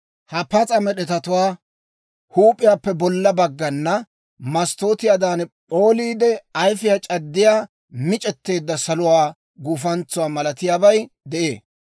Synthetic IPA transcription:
hɐpɐt͡sʼɐmɛɗɛt̪ɐt̪ʊwaː | huːpʼːɪjaːpːɛbɔlːɐbɐɡːɐnːɐ | mɐst̪o̞ːt̪ɪjaːd̪aːnɛpʼo̞ːliːd̪ɛɐjfɪjat͡ʃʼɐd̪ːɪjaː | mɪt͡ʃʼɛt̪ːe̞ːd̪ːɐsɐlʊwaː | ɡuːfɐnt͡sʊwaːmɐlɐt̪ɪjaːbɐjd̪ɛʔe̞ː

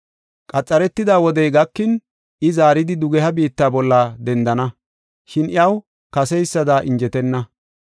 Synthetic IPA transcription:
kʼɐt͡sʼːɐɾɛt̪ːɪd̪aːwɔd̪ɛjɡɐkːɪn | ɪzaːɾɪd̪ɪd̪ʊɡɛhɐbiːt̪ːaːbɔlːɐad̪ɛnd̪ɐnɐ | ʃɪnɪjɐw | kɐsɛjsːɐd̪aːʔɪnd͡ʒɛt̪ɛnːɐ

